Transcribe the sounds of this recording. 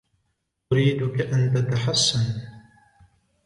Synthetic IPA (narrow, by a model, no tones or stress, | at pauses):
ʔʊɾiːd̪ʊkaʔant̪at̪aħasːan